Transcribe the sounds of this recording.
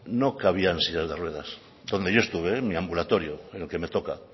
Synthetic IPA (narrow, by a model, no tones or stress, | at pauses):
nokaβ̞iansiʎazðerwe̞ð̞as | d̪o̞nd̪e̞ʝoe̞st̪uβ̞emiambulat̪o̞ɾjoenelke̞me̞t̪o̞ka